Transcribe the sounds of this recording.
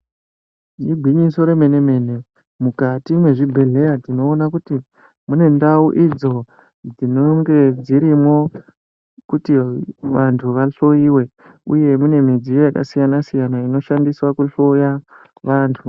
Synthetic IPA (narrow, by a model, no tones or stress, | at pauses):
nibʱwiɲiso̞ɾe̞me̞ne̞me̞ne̞ | mukatimwe̞ʐibʱe̞ɮe̞jatino̞ːnakuti | mune̞ndauʔid͡zo̞ | d͡zinoŋɡe̞d͡ziɾimo̞ | kutiʋantʰuʋaɬo̞iwe̞ | uje̞mune̞mid͡zijo̞jaka̰sijanasijanaino̞ʃandiswakuɬo̞ja | ʋantʰu